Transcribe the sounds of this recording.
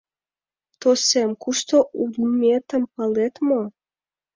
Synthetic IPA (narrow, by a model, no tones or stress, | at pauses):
t̪osemkuʃt̪oʔumet̪ə̆mpɑlet̪mo